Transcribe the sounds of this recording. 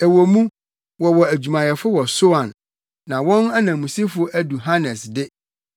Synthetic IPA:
æ˨wo˨mũ˦ | wɔ˨wɔ˨æ˨d͡ʑu˨mã˨jɛ˨fʊ˦wɔ˨so˦ã˨nː | ã˨wɔ̃˦na˦nã˨mũ˨si˦fʊ˦ʔæ˦du˨ɦa˦nɛ˨sdɪ˦

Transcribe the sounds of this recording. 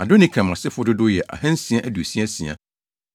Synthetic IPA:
a˨dʊ˦nɪ̃˦kʰã˨mã˨sɪ˦fʊ˦dʊ˦dʊ˦jɛ˨ʔa̰˨hã˦n̩˦si˨a˦ʔæ˦du˨e˨si˦a˦si˨a̰˨

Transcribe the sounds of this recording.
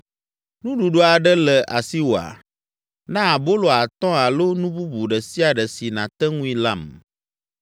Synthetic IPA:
nũ˦ɖu˨ɖo˦a˨ɖɛ˦lɛ˨ʔa˨si˦wo˨a̰˨ | nã˦˨bo˦lo˨a˨t̪ɔ̃˦a˨lo˦nũ˦bu˦bu˨ɖɛ˨si˦a˨ɖɛ˨si˨nã˨t̪ɛ˦ŋũ˦ĩ˦la˦˨m

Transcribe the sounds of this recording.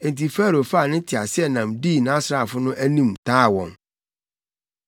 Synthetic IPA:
ɛ̃˨n˨ti˨fæː˦˨ɾo˨fa˦˨nɪ̃˦n˦tʰɪ˨a˨sɪ˦ɛ˦nã˨mdiː˦˨nã˦sɾa˦˨fʊ˦nʊ̃˦ʔæ˦nĩ˦mtʰaː˦˨wɔ̰̃˨n

